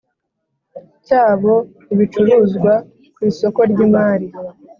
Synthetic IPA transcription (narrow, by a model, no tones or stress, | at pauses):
caːβo̞ | iβit͡ʃuɾuːzɡwa | kwiːso̞ko̞ɾɟiːmaːɾi